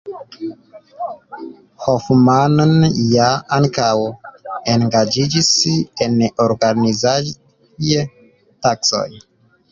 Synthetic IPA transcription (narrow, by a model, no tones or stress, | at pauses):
hofmannjaaŋkaweŋɡad͡ʒid͡ʒisenoɾɡaniza | je | takso̞̰j